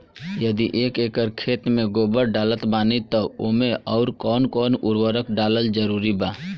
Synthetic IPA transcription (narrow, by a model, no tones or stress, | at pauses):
jəd̪iʔeːkeːkəɾkʰeːt̪mẽɡoːbəɾɖaːlət̪baːnit̪ɔo̰ːmẽɔːɾkɔːnkɔːnʊɾwəɾəkɖaːləld͡ʒəɾuːɾibaː